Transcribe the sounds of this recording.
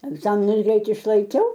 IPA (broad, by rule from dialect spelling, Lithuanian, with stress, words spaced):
ɛɡˈzɑːmʲɪnʊs ˈɡrʲɛɪt ɪʃlˠɐɪˈkʲɛʊ